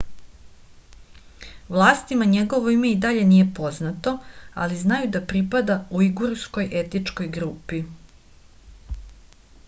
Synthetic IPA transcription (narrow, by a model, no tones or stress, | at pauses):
ʋlˠaːst̪imaɲe̞ɡo̞ʋoime̞id̪aʎe̞nije̞po̞znat̪o̞a̰liznajud̪apɾipad̪auiɡuɾsko̞jʔe̞t̪it͡ʂko̞jɡɾuːpi